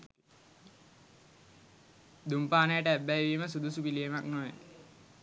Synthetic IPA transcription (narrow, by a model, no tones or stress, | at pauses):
d̪umpaːnəjəʈəæbːæjʋiməsud̪usupilijemaknoʋe